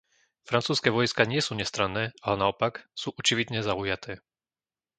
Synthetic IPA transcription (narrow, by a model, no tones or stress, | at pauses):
fɾant͡suːskɛːʋɔjskaɲɪɛsuːɲɛst̪ɾanːɛːalɛnaɔpaksuːʔɔt͡ʃiʋid̪ɲɛzaujat̪ʰɛː